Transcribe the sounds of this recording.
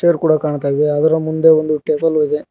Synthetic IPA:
eːɾkuːɽɐkaːɳt̪aːʋeɐðɐɾɐmund̪eond̪uʈeːpɐliðe

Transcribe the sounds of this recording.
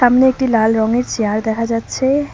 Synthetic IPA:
amneek̚ʈilalɾɔŋeɾt͡ɕeaɾd̪ɛkʰad͡ʑatːɕʰe

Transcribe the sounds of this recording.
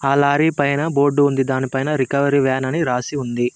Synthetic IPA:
aːlaːɾiːpɐjnɐbo̞ːɾɖːuund̪id̪aːnipɐjnɐɾikɐʋɐɾiʋɛːnɐniɾaːsiund̪i

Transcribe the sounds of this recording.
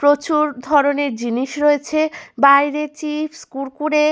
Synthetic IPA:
pɾot͡ɕuɾd̪ʱɔɾoneɾd͡ʑiniʃɾoet͡ɕʰebajɾet͡ɕifʰskulkuɾe

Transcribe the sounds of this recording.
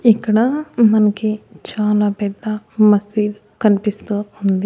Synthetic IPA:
ikːɐɽɐmɐnɐkit͡ʃaːlaːpɛd̪ːɐmɐsiːlu | kɐnipist̪uːund̪i

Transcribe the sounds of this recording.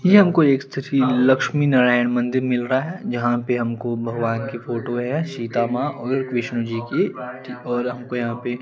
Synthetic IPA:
jeɦɐmkoeːkst̪ʰɪɾʰilɐkʃminɐɾaːjənmɐ̃nd̪ɪɾmɪlɾaaɦɛd͡ʒɐɦãpeɦɐmkobʱɐɡʋaːnkifʰoːʈoɦɛʃiːt̪aːmaʔɔːɾkʋɪʃnud͡ʒiːkeʈiɔːɾɦɐmkojɐɦãpe

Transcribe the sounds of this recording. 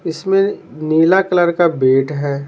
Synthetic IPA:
ɪsmẽniːlakləɾkabeːʈɦɛː

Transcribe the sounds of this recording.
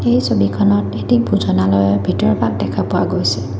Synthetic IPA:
ejsobikʰɔnɔtetibʱuzɔnalɔjbʱitɔɹbak̚dɛkʰapʊwa̰ɡojsɛ̥

